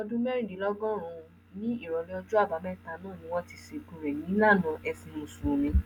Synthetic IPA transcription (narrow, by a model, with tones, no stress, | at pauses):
ɔ˧dũ˦mɛ˦ɾĩ˦˨di˨˦lɔ˦ɡɔ̃˦ɾ̃ũ˧ | nĩ˦i˦˨ɾɔ˨le˧ɔ˧d͡ʒu˦a˦˨ba˨˦mɛ˦˨ta˧˨nãː˦˨nĩ˨˦w̃ɔ̃˦ti˧ʃe˧kũ˧ɾɛ˨nĩ˨˦la˦˨nã˨˦ʔɛ˧fĩ˧mũ˨su˨˧mĩ˧